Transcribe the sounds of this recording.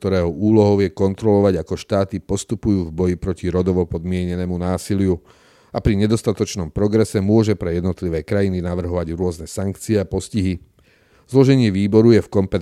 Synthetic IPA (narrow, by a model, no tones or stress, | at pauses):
t̪ɔɾɛːɦɔuːlɔɦɔʊjɛkɔnt̪ɾɔlɔʋaɟakɔʃt̪aːt̪ipɔst̪upujuːvbɔjipɾɔciɾɔd̪ɔʋɔpɔd̪mɪɛɲɛnɛːmunaːsilɪju | apɾiɲɛd̪ɔst̪at̪ɔt͡ʃnɔmpɾɔɡɾɛsɛmʊɔʒɛpɾɛjɛd̪nɔt̪liʋɛːkɾajininaʋr̩ɦɔʋaɟɾʊɔznɛsaŋkt͡siɛapɔsciɦi | zlɔʒɛɲɪɛʋiːbɔɾujɛfkɔmpɛ